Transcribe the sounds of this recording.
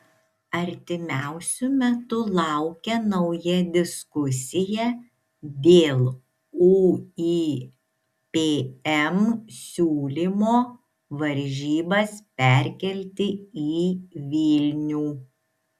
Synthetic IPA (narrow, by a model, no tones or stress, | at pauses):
ɐɾʲt̪ʲɪmʲæˑʊsʲʊmʲɛt̪ʊlˠɑˑʊkʲɛnɒʊjɛd̪ʲɪskʊsʲɪjɛ | d̪ʲeːlˠ | uːi | pʲeːɛmsʲuːlʲimoː | ʋɐɾʲʒʲiːbɐspʲæˑɾʲkʲɛlʲt̪ʲɪiːʋʲiːlʲnʲuː